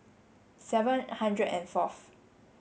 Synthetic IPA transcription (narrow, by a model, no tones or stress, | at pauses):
sɛvə̃nhãndɹədɛ̰̃nfaf